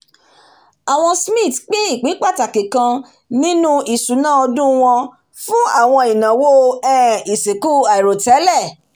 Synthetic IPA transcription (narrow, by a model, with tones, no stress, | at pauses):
a˨w̃ɔ̃˧smĩ˦˨tk͡pe˦i˦˨k͡pi˨˦k͡pa˦˨ta˨ke˨kã˧ | nĩ˦nũ˦i˨su˨˦nã˦ɔ˧dũ˦w̃ɔ̃˧ | fũ˦a˦˨w̃ɔ̃˧i˨nã˨wo˦ɛ̃ː˦i˨se˨ku˦a˨i˨ɾo˨tɛ˨˦lɛ˦˨